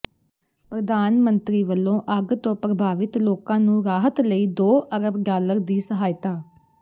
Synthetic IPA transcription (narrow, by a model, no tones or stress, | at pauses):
pɾəd̪aːnmənt̪ɾiːʋəlːõːʔəɡt̪õːpɾəbʱaːʋɪt̪loːkãːnũːɾaːɦət̪ləiːd̪oːəɾəbɡaːləɾd̪iːsəɦaːɪt̪aː